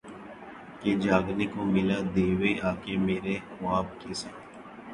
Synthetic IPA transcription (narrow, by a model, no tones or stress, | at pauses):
keːd͡ʒaːɡnekomɪlad̪eːʋeʔaːkemeːɾexʊʋaːb̚keːseː